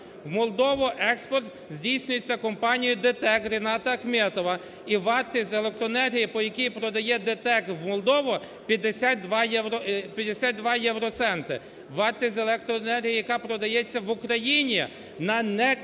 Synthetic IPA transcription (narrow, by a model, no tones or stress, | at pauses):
wmɔlˠd̪ɔʋɔʔɛkspɔrt̪ | zʲdʲijsʲnʲʊjet͡sʲːɐkɔmpɑnʲijʊd̪et̪ɛkɾenɑt̪ɐɐxmʲɛt̪ɔʋɐ | iʋɑrt̪ɪzʲelˠek̚t̪ɾɔenɛrɦʲijipɔjɐkʲijpɾɔd̪ɐjɛd̪et̪ɛk̪wmɔlˠd̪ɔʋɔ | pʲjɐd̪esʲat̪̚d̪ʋɑjɛwɾɔpʲjɐd̪ːesʲat̪̚d̪ʋɑjɛwɾɔt̪sɛnt̪ɪ | ʋɑrt̪ɪzʲelˠɛk̚t̪ɾɔenɛrɦʲijijɐkɑpɾɔd̪ɐjɛt͡sʲːɐʋʊkɾɐjinʲi | nɐnɛ